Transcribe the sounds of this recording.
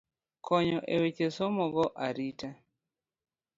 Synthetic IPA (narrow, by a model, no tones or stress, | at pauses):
kɔɲɔʔewet͡ʃesomɔɡɔʔaɾita